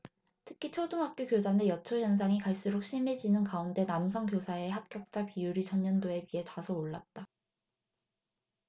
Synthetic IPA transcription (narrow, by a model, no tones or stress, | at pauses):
tʰɯ̥kʰit͡ɕʰoduŋɦak̚k͈jokjodanejʌt͡ɕʰoçjʌns̬ʰaŋikaɭs͈uɾok̚ɕ͈imid͡ʑinɯnkaunde̞namsʰʌŋk̬josʰae̞hap̚k͈jʌk̚t͡ɕ͈apijuɾit͡ɕʰʌɲːʌndoe̞wiɦe̞tasʰʌoɭːat̚t͈a